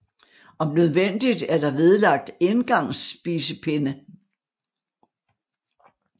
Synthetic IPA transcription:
ʔɒ̽mnøð̞ˠʋen̰d̥id̥æɐd̥ɑ̈ʋe̝ð̞ˠlɑ̈ɡ̥̚d̥enɡ̥ɑ̈ŋ̰sb̥iːsəpʰe̝nə

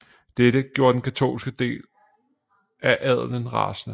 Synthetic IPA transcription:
d̥eɾəɡ̥jo̝ːɐd̥enkʰæt͡sʰo̝̰ːlsɡ̥əd̥e̝̰ːl | ʔæʔæð̰ˠlənʁɑ̰̈snə

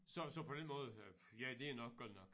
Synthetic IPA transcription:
sɒ̽sɒ̽pʰɒ̽d̥enmɔ̽ːð̞̩ˠ | jæd̥e̝æɐnɒ̽ɡ̥̚ɔd̥̰nɒ̽ɡ̥

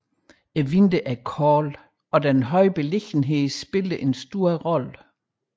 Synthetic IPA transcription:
eʋind̥əʔæɐkʰɒːl | ɒ̽d̥ænɦɒ̽ɪ̰b̥e̝le̝ɡ̥n̩ɦe̝ðˠsb̥e̝ld̥əʔe̝nsd̥o̝ːɐ̰ʁɒ̽lə

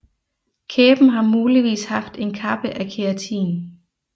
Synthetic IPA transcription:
kʰeːb̥n̩ɦɑ̈muːliʋḭːshɑ̈fd̥e̝nkʰɑ̈b̥əʔækʰeæt͡sʰḭːn

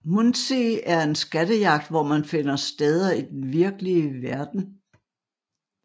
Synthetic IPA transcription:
munseæɐe̝nsɡ̥æɾ̥əjɑ̈ɡ̥̚d̥ʋɒmænfe̝n̰ɐsd̥eð̞ˠɐid̥enʋiɐɡ̥əliəʋæɐd̥n̩

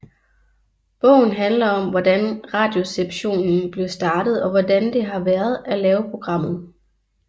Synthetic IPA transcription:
b̥ɔ̰̽ʊ̰n̩ɦænlɐɒ̽mʋɒd̥ænʁɑ̈ːd̥jo̝seb̥ɕo̝̰ːnn̩b̥le̝sd̥ɑ̈ːd̥ð̞̩ˠɒ̽ʋɒdænd̥e̝ɦɑ̈ʋæːɐð̞ˠælɛːʊpʰʁo̝ɡ̥ʁɑ̈m̰ð̞̩ˠ

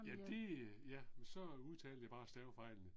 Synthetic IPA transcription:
jæd̥e̝jæsɒ̽uð̞ˠt͡sʰɛːl̩əjab̥ɑ̈ːsd̥ɛʊfɑ̈ɪ̰lnə

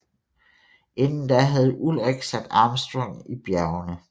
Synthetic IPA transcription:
ʔe̝nn̩d̥æɦæð̞̩ˠʔulʁeɡ̥sæd̥ɑ̈ːmsd̥ʁɔŋ̰ib̥jæɐʊnə

